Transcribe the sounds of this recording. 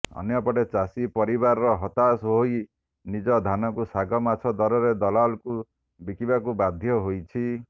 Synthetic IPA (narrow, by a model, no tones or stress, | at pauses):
ɔ̰njɔpɔʈet͡ʃasipɔɾibaɾɔɦɔt̪asɦoi | nid͡ʒɔd̪ʱanɔkusaɡɔmat͡ʃʰɔd̪ɔɾɔɾed̪ɔlalku | bikibakubad̪ʱjɔɦojt͡ʃʰi